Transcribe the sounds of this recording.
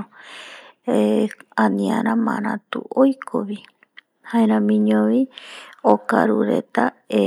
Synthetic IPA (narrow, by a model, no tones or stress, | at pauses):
eãnĩaɾãmãɾãt̪uojkʰoʋi | haeɾ̃ãmĩɲõʋiokaɾuɾe̞̰t̪ae